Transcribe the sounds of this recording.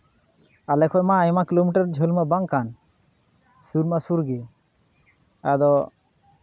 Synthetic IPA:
alɛkʰɔjmaːjmakilomiʈaɾd͡ʒʱolmabaŋkan | suɾmasuɾɡe | ad̪ɔ

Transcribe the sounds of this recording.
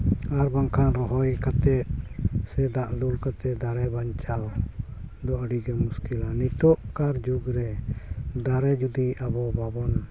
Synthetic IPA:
aɾbaŋkʰanɾɔɦɔjkat̪ɛt̪̚sɛd̪aʔlulkat̪ɛd̪aɾɛbaɲt͡ʃaw | d̪ɔʔəɽiɡɛmuskilanit̪ɔʔkaɾd͡ʒuɡɾɛ | d̪aɾɛd͡ʒud̪iabɔbabɔn

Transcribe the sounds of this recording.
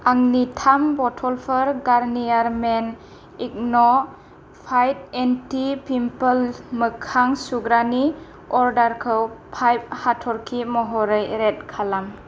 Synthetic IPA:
aŋnitʰambɔtʰɔlpʰəɾɡaɾnijaɾmen | ik̚nɔ | pʰajt̚entipimpəlmɯkʰaŋsuɡɾani | ɔɾdaɾkʰɯwpʰajp̚hatʰɔɾkʰimɔɦɔɾɯjɾet̚kʰalam

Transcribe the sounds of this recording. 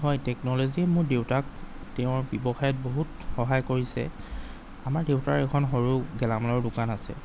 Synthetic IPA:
ɦɔjtɛknɔloziɛmʊɹdewtaktɛʊ̃ɹbɔbɔxajɔt̚boɦutxɔɦajkoɹisɛ̰ | amaɹdewtaɹɛkʰɔnxoɹuɡɛlamlɔɹdʊkanasɛ̰

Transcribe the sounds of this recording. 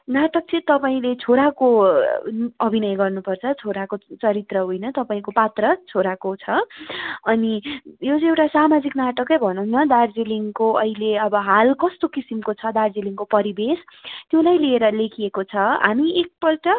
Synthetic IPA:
naʈʌk̚t͡sʌ̃ĩt̪ʌpaĩlet͡sʰoɾako | ʌbʱinʌjɡʌrnupʌrt͡sʰʌt͡sʰoɾakot͡sʌɾit̪rʌɦojnʌt̪ʌpaĩkopat̪rʌt͡sʰoɾakot͡sʰʌ | ʌnijot͡sʌ̃ewʈasamad͡ziknaʈʌkʌjbʱʌnunʌd̪ard͡ziliŋkoʌileʌbʌɦalkʌst̪okisimkot͡sʰʌd̪ard͡ziliŋkopʌɾibest̪jolajlieɾʌlekʰiekot͡sʰʌɦa̰miek̚pʌlʈʌ

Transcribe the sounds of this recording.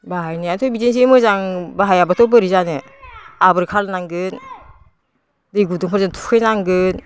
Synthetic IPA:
baɦajnɯatʰɔjbizins̬imɯzaŋbaɦajabatʰɔbɯɾizanɯ | abɯɾkʰaɾnaŋɡɯn | dɯjɡuduŋpʰaɾzɯntʰu̥kʰɯjnaŋɡɯn

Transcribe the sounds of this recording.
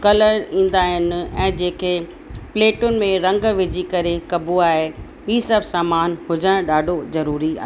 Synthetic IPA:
kɐləɾĩːn̆d̪aːɦɪnɪ̆ɛ̃ːd͡ʑeːkʰeː | pleːʈʊnɪ̆mẽɾɐ̃ŋɡʋɪd͡ʑikɐɾekɐbʱuaːɦe | iːsɐbʱsaːmaːnɦʊd͡ʑəɽ̃ɗaːɖʱozɐɾuːɾia̰ːɦ

